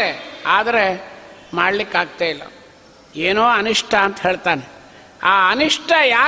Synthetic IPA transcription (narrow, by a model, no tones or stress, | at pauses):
eaːd̪ɐɾemaːɽlikːaːɡ̚t̪aːjilːɐ̰ | eːnoːɐniʂʈʰɐːnt̪ɐɦeːɭt̪aːne | aːɐniʂʈʰɐjaː